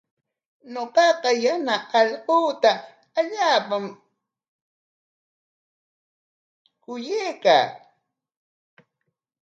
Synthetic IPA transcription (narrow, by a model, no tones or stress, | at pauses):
noqɑqɑjanaɑʎquːt̪a | aʎaːpam | kʊjejka̰ː